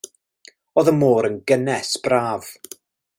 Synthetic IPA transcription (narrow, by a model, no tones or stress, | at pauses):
oːðəmoːɾənɡənɛsb̥raːv̥